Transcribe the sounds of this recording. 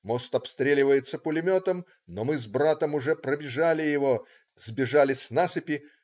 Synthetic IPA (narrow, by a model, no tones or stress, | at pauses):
mo̞st̪ɐpst̪ɾʲelʲɪvəjɪt̪səpʊlʲɪmʲo̞t̪əm | nomɨzbɾat̪əmʊʐɛpɾəbʲɪʐalʲɪjɪvo | zbʲɪʐalʲɪsʲnasɨpʲɪ